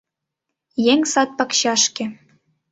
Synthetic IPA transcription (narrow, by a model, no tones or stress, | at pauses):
jeŋsɑt̪̚pɑkɕɑʃkĕ